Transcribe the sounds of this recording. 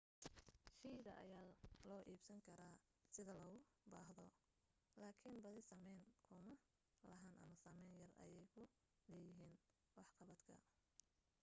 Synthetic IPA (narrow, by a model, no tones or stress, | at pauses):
ʃiːðɐ̰ʔɐ̰jaːlɔːʔiːbsɐŋkʰɐɾaː | sɪðɐlɐɣʊ | baːɦðɔ | laːkʰɪnbɐðɪsɐmɛjŋkʰʊmɐ | lɐɦaːnʔɐ̰mɐsaːmɛjnjɐrɐ̰jɛjkʰʊ | lɛːjɪɦiːn | wɑħqɑβɐd̪kʰɐ̰